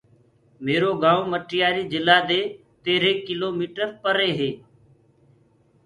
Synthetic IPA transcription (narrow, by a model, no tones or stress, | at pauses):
meːɾoːɡãːõməʈɪjaːɾiːd͡ʒɪlaːd̪eː | t̪eːɾeːkɪloːmiːʈəɾpəɾeːɦeː